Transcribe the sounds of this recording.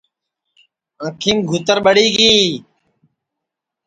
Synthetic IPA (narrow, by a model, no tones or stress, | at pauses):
ə̃ːkʰiːmɡʱut̪əɾɓəɽiːɡiː